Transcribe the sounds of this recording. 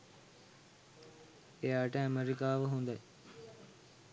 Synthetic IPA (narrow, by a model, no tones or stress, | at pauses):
ejaːʈəæmeɾikaːʋəɦund̪aj